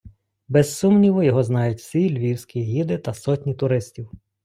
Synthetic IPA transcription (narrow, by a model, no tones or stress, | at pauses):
bɛsːumnʲiʋɔjɔɦɔznɑjʊtʲsʲilʲʋʲiwsʲkʲiɦʲid̪ɪt̪ɐsɔtʲnʲit̪ʊɾɪsʲtʲiw